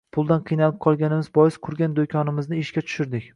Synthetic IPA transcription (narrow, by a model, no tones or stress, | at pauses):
pʰʊlˠd̪anqʰɨjnalˠɪp̚qʰɒlˠɡʲanɪmɪzbɒjɪsqʰʊɾɡʲand̪okʲʰɒnɪmɪznɪɪʃkʲat̪ʰʊ̥ʃɪɾd̪ɪkʲ